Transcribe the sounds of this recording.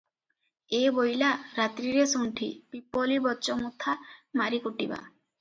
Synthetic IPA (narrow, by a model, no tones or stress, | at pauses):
ebojlaɾat̪ɾiɾesuɳʈʰḭpipolibɔːt͡ʃɔmut̪ʰamaɾikuʈiba̰